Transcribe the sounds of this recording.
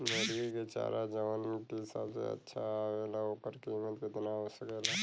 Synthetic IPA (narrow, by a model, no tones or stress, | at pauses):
meɾɡiket͡ʃa̰ɾad͡ʒəʋankisa̰ːbsḛə̰tːʃʰaelaokəɾkeɪmət̪kɪt̪naɦosəkeːla